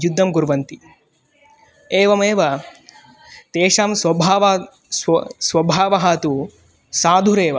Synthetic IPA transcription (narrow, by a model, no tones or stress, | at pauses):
jud̪ʱːɐmɡuɾʋɐnt̪i | eːʋɐmeːʋɐ | t̪eːʂaːmsʋɐbʱaːʋ | sʋɐbʱaːʋɐɦaːt̪u | saːd̪ʱuɾeːʋɐ